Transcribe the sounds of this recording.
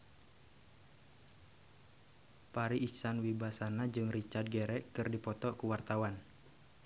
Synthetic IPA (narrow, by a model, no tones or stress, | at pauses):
paɾiʔːsanwibasanad͡ʒɨŋrit͡ʃard̪̚ɡɛɾɛkɨrdipɔt̪ɔkuwart̪awan